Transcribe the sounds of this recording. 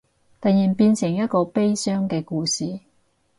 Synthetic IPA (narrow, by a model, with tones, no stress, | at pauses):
t̪ɐ˨jjiː˨˩npiː˧nsɪ˨˩ŋjɐ˥t̚kɔː˧pe˥jsœː˥ŋkɛː˧kuː˧siː˨